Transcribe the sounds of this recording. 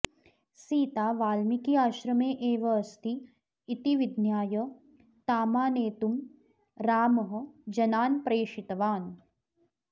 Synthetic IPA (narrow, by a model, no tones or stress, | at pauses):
siːt̪aːʋaːlmikiaːʃɾɐmeːʔeːʋɐːst̪iː | t̪iʋɪd̪njaːjə | t̪aːmaːneːt̪um | ɾaːmɐɦə̆d͡ʒɐnaːnpɾeːʃɪt̪ʋaːn